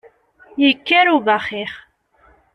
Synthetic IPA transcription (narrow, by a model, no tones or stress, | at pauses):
jikːæɾuvaχiχ